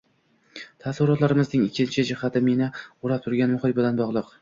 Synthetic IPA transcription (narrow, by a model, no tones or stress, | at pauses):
t̪ʰasɪɾɒt̪laɾɪmɪznɪŋɪkʲʰːɪnt͡ʃʰɪd͡ʒɪhat̪ʰɪmenɪʊɾap̚t̪ʰʊɾɡʲanmʊχɪbɪlanbɒʁlˠɨq